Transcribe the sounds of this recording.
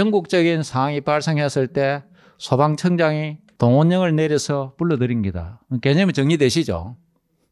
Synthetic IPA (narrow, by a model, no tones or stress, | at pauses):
ʌŋɡuk̚t͡ɕ͈ʌɡinsʰaaŋipaɭs͈ʰeŋɦes͈ɯɭt͈e̞ | sʰobaŋt͡ɕʰʌŋd͡ʑaŋi | toŋoɲːʌŋɯɭneɾjʌsʰʌpuɭːʌdɯɾinɡida̰keɲʌmt͡ɕʌŋɲidweɕʰid͡ʑo̰